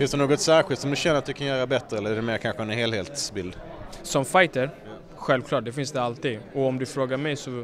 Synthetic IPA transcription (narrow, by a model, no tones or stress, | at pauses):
fɪnsd̪ɛnoːɡɔt̪sæːɾɧɪlt̪sɔmd̪ɵɕɛnːəɾat̪̚d̪ɵkʰanjœːɾabɛt̪ːɾəɛlːəɾæɖɛmeːɾkʰanɧəɛnɦeːlheːt̪sbɪld̪ | sɔmfajt̪əɾ | ɧɛlvklɑːʈ̚ɖ̪ɛfɪnsd̪ɛalt̪iːd̪ɔɔmd̪ɵfɾoːɡaɾmɛjsɔ